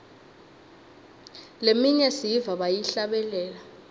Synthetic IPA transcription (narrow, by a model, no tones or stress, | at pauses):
lemiɲɛsiivaɓajiɬaɓɛlɛːla